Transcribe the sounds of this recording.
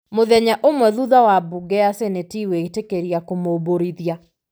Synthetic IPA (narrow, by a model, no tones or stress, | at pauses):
moðɛɲaʔomwɛðuðawabuɡɛasenetiweitekeɾjakomoboɾiðja